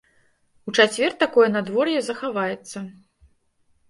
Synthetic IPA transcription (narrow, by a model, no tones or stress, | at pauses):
ut͡ʂat͡sʲvʲɛrt̪akɔjɛnad̪vɔrjɛzɐxavajɛt̪sːɐ